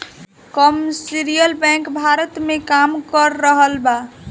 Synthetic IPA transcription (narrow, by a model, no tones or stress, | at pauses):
kɔmsiɾijəlbɛ̃kbʱaɾət̪mekamkəɾːəɦəlba